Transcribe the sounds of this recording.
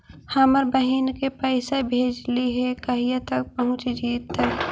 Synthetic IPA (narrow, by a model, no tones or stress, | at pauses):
haməɾbəɦinkepəɪsebʱeːd͡ʒliɦɛkəɦit̪ək̚pəɦʊ̃t͡ʃd͡ʒiːt̪ːək